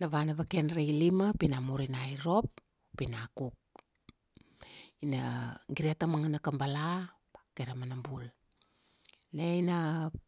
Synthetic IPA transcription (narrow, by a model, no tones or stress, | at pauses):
naβanaβakenɾejlimapinamuɾinajɾo̞pː | inakuk̚ | inaɡiɾeatamaŋanakambala | keɾamanambul | nejna